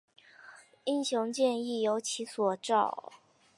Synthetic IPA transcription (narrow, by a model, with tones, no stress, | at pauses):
i˥˩nɕjʊ˧˥ŋt͡ɕjɛ˥˧ni˥˩jo˧˥ʊt͡ɕʰi˧˥swɔ˨˩ʈ͡ʂɑ˥˩ʊ